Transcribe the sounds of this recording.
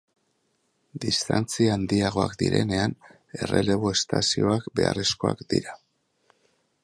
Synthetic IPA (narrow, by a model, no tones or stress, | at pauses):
d̪ist̪ant͡siaand̪iaɣ̞o̞akd̪iɾe̞ne̞an | e̞re̞̰le̞βoe̞st̪asio̞akbe̞aresko̞akd̪ḭɾa